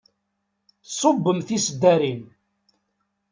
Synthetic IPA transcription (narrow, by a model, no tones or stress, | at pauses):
sˤobːəmθisəd̪ːæɾin